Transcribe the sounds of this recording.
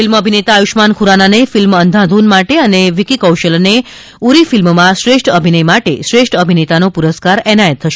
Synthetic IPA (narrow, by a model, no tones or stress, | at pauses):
filməbʱinet̪aːjuʃmankʰuɾananefilmənd̪ʱãd̪ʱunmaʈeəneʋikikəwʃəlne | uɾifilmmãʃɾeʃʈəbʱinəjmaʈeʃɾeʃʈəbʱinet̪anopuɾəskaɾɛnajət̪ʰːəʃe